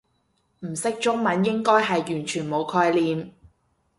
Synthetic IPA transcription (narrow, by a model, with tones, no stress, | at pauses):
m̩˨˩sɪ˥k̚t͡ʃʊ˥ŋmɐ˨˥njɪ˥ŋkɔː˥jɦɐ˨jːyː˨˩nt͡ʃʰyː˨˩nmo˨˧wkʰɔː˧jliː˨m